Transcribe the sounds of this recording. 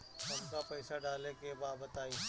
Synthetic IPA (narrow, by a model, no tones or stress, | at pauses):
ɦɐmkapɛːsaɖaːlekebaːbət̪aːiː